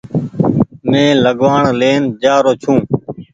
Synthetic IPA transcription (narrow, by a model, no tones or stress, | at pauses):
mẽːləɠʋaːɳleːnd͡ʒaːɾoːt͡ʃʰũː